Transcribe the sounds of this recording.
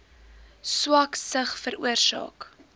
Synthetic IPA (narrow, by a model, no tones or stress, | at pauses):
swɐksəχfəɾṵərsɑ̰ːk